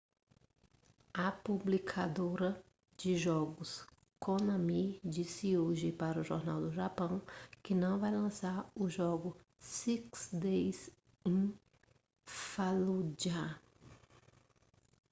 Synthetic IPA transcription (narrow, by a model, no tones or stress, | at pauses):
ɐpublikʰad̪oɾɐ | d͡ʒɪʒɔɡʊs | kõnɐ̃mid͡ʒisɪoʒɪpaɾɐʊʒoɾnawd̪ʊʒapɐ̃w̃kɪnɐ̃w̃vajlɐ̃saɾʊʒɔɡʊ | siksd̪ejs | ẽj | falud͡ʒa